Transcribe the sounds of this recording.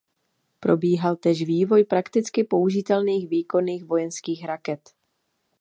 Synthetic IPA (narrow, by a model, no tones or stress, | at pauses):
pɾo̞biːɦalt̪ɛːʃviːvo̞jpɾakt̪ɪt͡skɪpo̞uʒɪt̪ɛlniːxviːko̞niːxvo̞jɛnskiːxɾakɛt̪